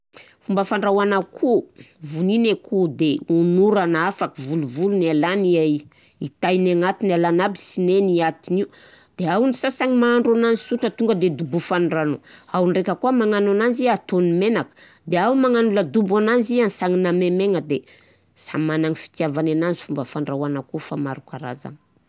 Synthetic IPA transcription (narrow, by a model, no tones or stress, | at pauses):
fumbəfaɳɖ͡ʐawanakʰuvuninekʰud̪eunuɾanaafakivuluvulunalania | it̪ajnaŋat̪inalanabisineniat̪iniu | d̪̥eawnisasaŋimaːɳɖ͡ʐananisuʈ͡ʂət̪uŋɡəd̪ed̪ubufanranoawnrekəkuamaŋanananziat̪onimenakə̥ | d̪eawumaŋanuləd̪ubananzianisaŋinamemeŋəd̪e | sa̰manaŋifi̥t̪iavanananzi̥fumbəfaɳɖ͡ʐawanakufamaɾukaɾa̰za̰ŋi̥